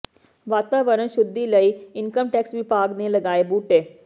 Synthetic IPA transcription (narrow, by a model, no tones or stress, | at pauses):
ʋat̪aʋəɾəɳɕud̪ːiləiːiŋkəmʈɛksʋipaɡneləɡaebuːʈe